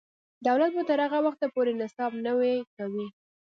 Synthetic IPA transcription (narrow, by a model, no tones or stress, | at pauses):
d̪awlat̪̚bat̪əɾhaɣawaxt̪apoɾenɪsɑbnəwekawi